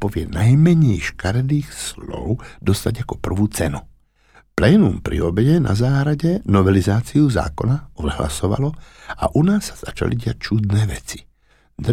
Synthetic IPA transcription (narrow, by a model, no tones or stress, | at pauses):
pɔʋɪɛnajmɛɲɛjʃkaɾɛd̪iːxslɔ̰ʊd̪ɔst̪aɟakɔpr̩ʋuːt͡sɛnu | plɛːnṵmpɾḭɔbɛɟɛnʔa̰zaːɦɾaɟɛnɔʋɛlizaːt͡siuza̰ːkɔnaɔd̪ɦla̰sɔʋa̰lɔa̰ʔunaːsːḁz̥at͡ʃa̰liɟɪac̚t͡ʃud̪nɛːʋɛt͡si̥ | d̪